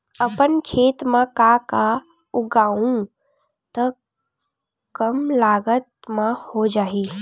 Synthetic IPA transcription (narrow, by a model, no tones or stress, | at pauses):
əpənkʰeːt̪mãkaka | ʊɡaːũ | t̪ə | kəmlaːɡət̪mãhod͡ʒaːiː